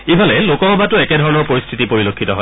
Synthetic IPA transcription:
ibʱalɛlokɔɦɔbatʊɛkɛdʱɔɹɔnɔɹpoɹist̪ʰitipoɹilokʰːitɔɦɔ

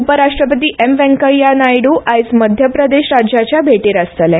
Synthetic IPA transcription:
upəɾaʂʈɾəpət̪iːʔemʋɛ̃ŋkəɭjanajɽuʔajsməd̪ʱjəpɾəd̪eɕɾad͡ʑjat͡ɕjabʱeʈiːɾast̪əlɛ̃

